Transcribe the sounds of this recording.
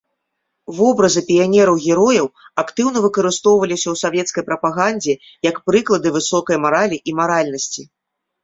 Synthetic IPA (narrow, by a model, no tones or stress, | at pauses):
vɔbɾɐzɨpʲijanʲɛɾɐwɣʲɛɾɔjɐwakt̪ɨwnɐvɨkɐɾɨst̪ɔwvɐlʲisʲɐwsavʲjɛt̪skɐjpɾɐpaɣanʲd͡zʲɛ | jɐkpɾɨklˠɐd̪ɨvɨsɔkɐjmaɾalʲiʔimaɾalʲnɐsʲt͡sʲi